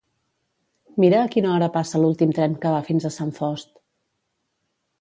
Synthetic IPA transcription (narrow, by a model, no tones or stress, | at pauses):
miɾəːkinəɔɾəpasəlulˠt̪imt̪ɾɛmkəβ̞afinzəsaɱfɔst̪